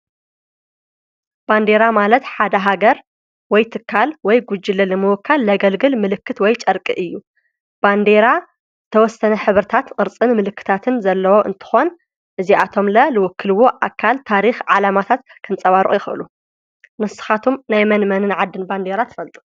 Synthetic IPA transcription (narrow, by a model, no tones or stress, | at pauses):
b̥and̪e̞ɾamalɐt̪ħad̪ɐɦaɡɐɾ | wɔjt̪ʰɨkʰːalwɔjɡud͡ʒilɐlɨmɨwɔkʰːalːɐɡɐlɡɨlmɨlɨkʰːɨt̪wɔjt͡ʃʼɐɾkʼḭʔɨjːu | b̥and̪e̞ɾa | zɨt̪ʰɐwɔsːɐnɐħɨβɾɨt̪ʰat̪qʼɨɾt͡sʼɨnmɨlɨkʰːɨ̥t̪ʰat̪ʰɨnzɐlːɐwo̞ʔɨ̰nt̪ʰɨ̥xo̞n | ʔɨziʔat̪ʰo̞mlɐlɨwɔkʰːɨlɨwoʔakʰːalt̪ʰaɾixʕalamat̪ʰat̪kʰɐmt͡sʼɐβaɾɨʔʼjɪxɨʔɨ̰lu | nɨsɨ̥xat̪ʰumnajmɐnmɐnɨnʕad̪ːɨnband̪eɾat̪ʰɨ̥fɐlt̪ʼu̥